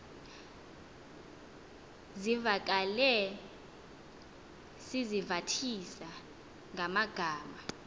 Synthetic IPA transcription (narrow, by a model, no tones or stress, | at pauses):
zivak̬ʼalɛ | sizivatʰisa | ŋʱamaɡ̥ʱaːma